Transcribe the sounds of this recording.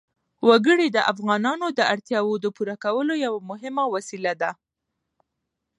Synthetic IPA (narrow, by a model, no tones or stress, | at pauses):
waɡəɽid̪əʔafɣɑnɑnod̪əʔaɽt̪jɑwod̪əpuɾakawəlojawamʊɦɪmawasilad̪a